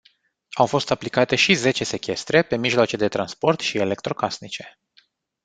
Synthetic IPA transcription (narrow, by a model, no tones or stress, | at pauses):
awfo̞st̪aplikat̪e̞ʃize̞t͡ʃe̞se̞kʲe̞st̪ɾe̞pe̞miʒloat͡ʃe̞d̪e̞t̪ɾanspo̞rt̪ʃie̞le̞k̚t̪ɾo̞kasnit͡ʃe̞̥